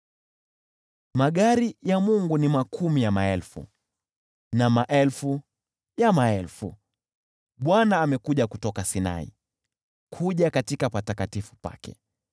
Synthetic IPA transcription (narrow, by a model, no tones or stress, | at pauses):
maɠaɾijamuŋɡunimakʰumijamaɛlfṵ | namaʔɛlfu | jamaɛlfṵ | ɓwanaːmɛkuʄakutɔkasina̰ḭ | kʰuʄakatikapatakatifu̥pa̰kɛ̰